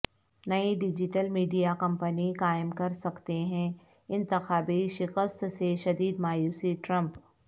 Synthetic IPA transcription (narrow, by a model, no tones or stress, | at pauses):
nɐiɖɪd͡ʒɪʈəlmiːɖijakɐ̃mpənikaːɪmkɐɾsɐkt̪eɦɛ̃ | ɪ̃nt̪ɪxaːbiʃɪkəst̪seʃɐd̪iːd̪maːjuːsiʈɾɐ̃mp